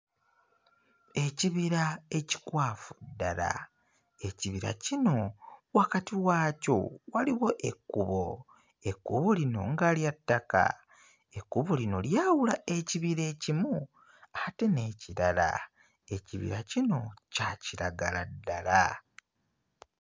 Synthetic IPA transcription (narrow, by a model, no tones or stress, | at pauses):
e̞ciβiɾae̞ci̥kwaːfudːala̰ | e̞ciβiɾa̰cino̞wakatiwaːco̞̰waliwo̞ʔekːuβo | ekːuβo̞lino̞̰ŋɡaːljatːaka̰ | ekːuβolino̞ljaːwulae̞ciβiɾe̞ːcimu | ate̞ne̞ːciɾala̰ | e̞ciβḭɾacino̞caciɾaɡaladːala